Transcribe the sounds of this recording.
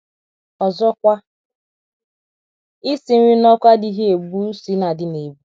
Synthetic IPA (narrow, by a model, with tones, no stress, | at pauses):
ɔ˨zɔ˦kʷa˦ | ɪ˦si˨˦i˦nɔ˦kʷa˦di˦ɦe˦e˨bu˦si˨˦na˨dɪ˨˦ne˨bu˦